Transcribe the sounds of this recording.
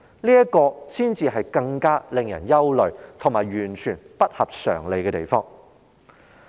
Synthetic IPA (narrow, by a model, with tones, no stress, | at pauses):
liː˥jɐ˥kɔː˧siː˥nt͡siː˨˧ɦɐ˨jkɐ˧ŋkaː˥lɪ˨ŋjɐ̰˨˩njɐ˥wlɵ˨ɥt̪ʰʊ˨˩ŋmaː˨˩jɥyː˨˩nt͡ʃʰyː˨˩npɐ˥t̚hɐ˨p̚sœ̰ː˨˩ŋle˨˧jkɛː˧t̪e˨˩jfɔː˥ŋ